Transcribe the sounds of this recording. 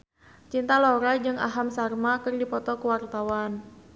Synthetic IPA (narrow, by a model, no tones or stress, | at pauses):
t͡ʃint̪alɔɾad͡ʒɨŋa̰ɦamsarmakɨrdipɔt̪ɔkuwart̪awan